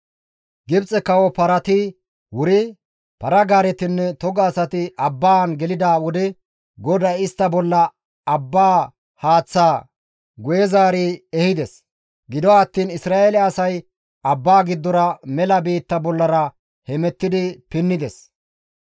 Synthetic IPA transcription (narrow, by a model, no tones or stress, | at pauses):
ɡɪbt͡sʼɛkɐwɔpɐɾɐt̪ɪ | wʊɾɪ | pɐɾɐɡaːɾɛt̪ɪnːɛt̪ɔɡɐːsɐt̪ɪʔɐbːaːnɡɛlɪd̪aːwʊd̪ɛ | ɡɔd̪ɐjɪst̪ːɐbɔlːɐ | ɐbːaː | haːt͡sːaː | ɡʊjɛzaːɾiɛhɪd̪ɛs | ɡɪd̪ɔːt̪ːiːnɪsɾaːʔelɛɐsɐj | ɐbːaːɡɪd̪ːɔɾɐmɛlɐbiːt̪ːɐbɔlːɐɾɐ | hɛmɛt̪ːɪd̪ɪpɪnːɪd̪ɛs